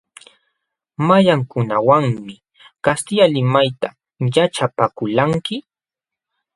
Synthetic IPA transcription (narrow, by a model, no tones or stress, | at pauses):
majaŋkʊnawaŋmɪ | kast̪ɪjalɪmajt̪a | jaʈ͡ʂapakʊlaŋkɪ